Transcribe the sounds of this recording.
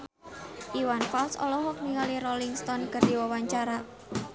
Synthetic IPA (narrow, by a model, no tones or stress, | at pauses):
ʔiwanfalsɔ̰lɔɦɔk̚niŋɔlirɔliŋst̪ɔnkərd̪̥iwawaɲt͡ʃaɾa